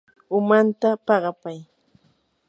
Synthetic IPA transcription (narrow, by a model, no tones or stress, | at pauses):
ʊmant̪apɑɢɑpaj